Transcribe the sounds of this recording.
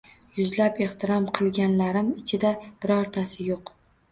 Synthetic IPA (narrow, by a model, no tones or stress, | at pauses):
jʊzlape̞ht̪ʰɪɾɒmqʰɨlˠɡʲanlaɾɪmɪt͡ʃʰɪd̪ab̥ɪɾɒɾt̪ʰasɪjoq